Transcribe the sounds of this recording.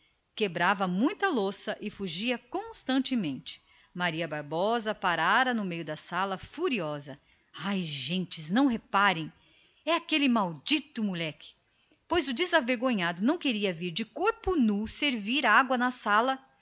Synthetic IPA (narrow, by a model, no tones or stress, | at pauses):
kebɾavɐmũj̃t̪ɐlosɐʔɪfuʒiɐkõst̪ɐ̃nt͡ʃɪmẽnt͡ʃɪ̥ | maɾiɐbaɾbɔzɐpaɾaɾɐnʊmejʊd̪ɐsalɐfuɾiɔzɐ | ajʒẽnt͡ʃɪznɐ̃w̃ɦepaɾẽj̃ | ɛakelɪmawd͡ʒit̪ʊmulɛkɪ̥ | pojzʊd͡ʒɪzaveɾɡõɲad̪ʊnɐ̃w̃keɾiɐviɾd͡ʒɪkoɾpʊnuseɾviɾaɡwɐnɐsalɐ